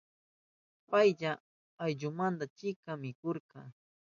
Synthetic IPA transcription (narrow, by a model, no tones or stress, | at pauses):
pajʎaː | jʎʊmand̪at͡ʃɪkamɪkoɾqɑ